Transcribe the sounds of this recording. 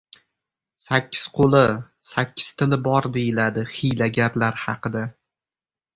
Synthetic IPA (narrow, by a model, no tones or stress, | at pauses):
sakʲːɪz̥qʰolˠɪ | sakʲʰːɪ̥z̥t̪ʰɪlɪbɒɾd̪ejɪlad̪ɪχɪjlaɡʲaɾlaɾhɑqɨd̪a